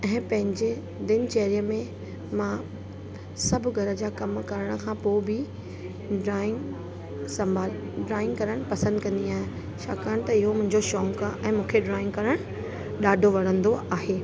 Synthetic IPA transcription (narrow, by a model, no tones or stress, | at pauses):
ɛ̃ːpɐ̃ɦɪ̃ɲd͡ʑe | d̪ɪnt͡ɕeːɦɾijəmẽ | mã | sɐbʱʊɡʱɐɾə̆d͡ʑaːkɐmkɐɾəɽ̃ə̆kʰãːpoːbɪ | ɖɾaːɪ̃ŋɡ | sɐ̃mbʱaːl | ɖɾaːɪ̃ŋɡkɐɾəɽ̃pɐsə̃nd̪kɐ̃nd̪iaːɦɪ̃ | t͡ɕʰa̰ːkaːɽ̃t̪ɐɪɦomʊ̃ɦɪ̃ɲd͡ʑoʃɔːŋkaʔɛ̃ːmũːkʰeɖɾaːɪ̃ŋɡkɐɾəɽ̃ | ɗaːɖʱoʋɐɽ̤ə̃nd̪oaːɦeː